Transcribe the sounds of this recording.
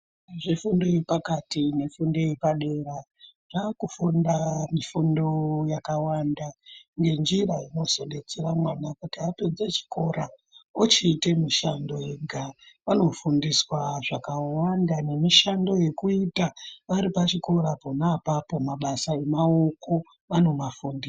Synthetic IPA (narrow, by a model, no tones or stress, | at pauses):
ʐifunde̞ipakatine̞fundeipaɗe̞ra | ʐakufundamifundojakawandaŋɡe̞nd͡ʒiraino̞so̞ɗe̞t͡seramwanakutiated͡zet͡ʃi̥ko̞ɾa | ot͡ʃiːtemiʃando̞eɡʱaʋano̞fundiswaʐakawandane̞miʃando̞je̞kuitaʋaɾipat͡ʃiko̞ɾaponaːpapo̞maɓasae̞mao̞ko̞ | ʋano̞mafundi